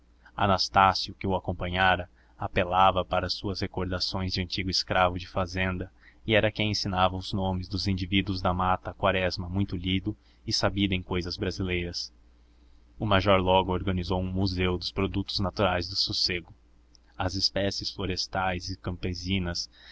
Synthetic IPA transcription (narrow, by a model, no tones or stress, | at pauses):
a̰nast̪asjʊkɪʊakõpɐ̃ɲaɾɐ | apelavɐpaɾɐːsuɐshekoɾd̪asõj̃zd͡ʒɪɐ̃nt͡ʃiɡʊɪskɾavʊd͡ʒɪfazẽnd̪ɐ | ɪɛɾɐkẽj̃ẽsinavɐʊznõmɪzd̪ʊzĩnd͡ʒivid̪uʊzd̪ɐmat̪ɐkwaɾɛzmɐmũj̃t̪ʊʎid̪ʊ | ɪsabid̪ʊẽj̃kojzɐzbɾazilejɾɐs | ʊmaʒɔɾlɔɡʊoɾɡɐnizowũmuzewd̪ʊspɾod̪ut̪ʊznat̪uɾajzd̪ʊsoseɡʊ | ɐzɪspɛsɪsfloɾest̪ajzɪkɐ̃mpezĩnɐs